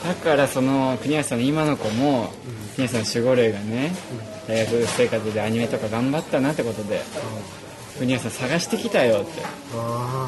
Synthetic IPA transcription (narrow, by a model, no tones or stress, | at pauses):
d̪̥akaɾaso̞no̞kɯ̟ɲ̟iasãnimano̞ko̞mo̞ | kɯ̟ɲiasanːɕiɡo̞ɾeːɡane̞ | d̪aiɡakɯ̟se̞ːkat͡sɨd̪e̞aɲ̟ime̞t̪o̞kaɡãmbat̪ːanat̪ːe̞ko̞t̪o̞d̪e̞̰ | kɯ̟ɲ̟ias̬ãsaɡaɕi̥t̪e̞kʲit̪ajo̞t̪ːe̞